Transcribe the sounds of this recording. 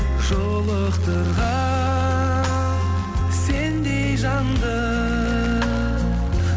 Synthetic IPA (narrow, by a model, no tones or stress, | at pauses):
ʒolˠəqt̪əɾʁɑ | se̞nd̪e̞jjʒɑnd̪ə | q